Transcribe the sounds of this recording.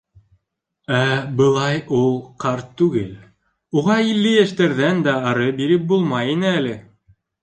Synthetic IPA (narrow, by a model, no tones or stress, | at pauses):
æbɤ̆lˠɑjulˠqɑɾt̪ːʉɡɘl | uʁɑilːɘjæʃt̪æɾðænd̪æːɾɤbiɾɘp̚bulˠmɑjinɘælɘ